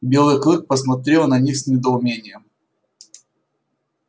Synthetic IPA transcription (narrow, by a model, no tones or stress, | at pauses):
bʲe̞lˠɨjklˠɨk̚pəsmɐt̪ɾʲelˠnɐnʲixsʲnʲɪd̪əʊmʲenʲɪjəm